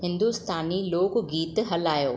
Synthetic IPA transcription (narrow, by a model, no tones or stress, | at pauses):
hɪ̃nd̪ust̪aːniloːkɡiːt̪ɦɐlaːjoː